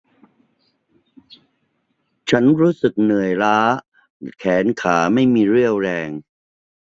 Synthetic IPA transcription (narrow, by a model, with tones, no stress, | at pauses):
t͡ɕʰa˦˥nɾuː˦˥sɯ˨˩k̚nɯ˨˩əjɾaː˦˥ | kʰɛː˩˦nkʰaː˩˦ma˥˩jmiː˧ɾɯ˥˩əwɾɛː˧ŋ